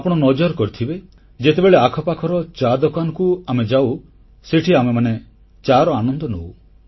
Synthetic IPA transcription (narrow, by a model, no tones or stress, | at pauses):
apɔɽ̃ɔnɔd͡ʒɔɾkɔɾit̪ʰibe | d͡ʒet̪ebeɭeakʰɔpakʰɔɾɔt͡ʃad̪ɔkanɔkuamed͡ʒaw | seʈʰiamemane | t͡ʃaɾɔanɔnd̪ɔnow